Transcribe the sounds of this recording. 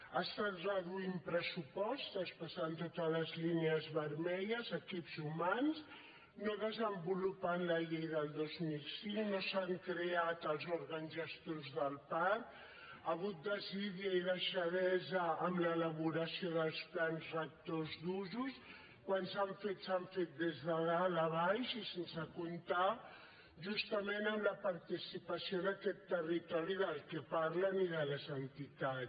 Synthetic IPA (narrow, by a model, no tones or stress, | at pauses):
ast̪at̪rəðuimpɾəsupɔst̪əspəsant̪ot̪ələzlineəzβəɾmɛʎəzəkipzumans | noðəzəmbulupanləʎejðəlˠd̪ozmilˠsiŋnosaŋkɾeat̪əlˠzuɾɣənizəst̪ozðəlˠpaɾk | əɣut̪̚d̪əziðiəiðəʃəðɛzəːmlələβuɾəsioðəlˠsplanzrək̚t̪ozðuzus | kwansaɱfet̪saɱfet̪̚d̪ezðəðaləβajʃisensəkunt̪a | ʒust̪əmenəmləpəɾt̪isipəsioðəkɛt̪ːərit̪ɔɾiðəlˠkɛpaɾləniðələzənt̪it̪a